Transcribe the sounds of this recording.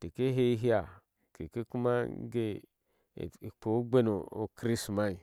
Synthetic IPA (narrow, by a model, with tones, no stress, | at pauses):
te˨ke˦ɦe˦ɦi˦ja˨ | ke˨ke˦ku˦ma˦ɡḛ˦˨ | po˨˦ɡ͡be˦no˨o̰˨kɾi˦sma˦i˨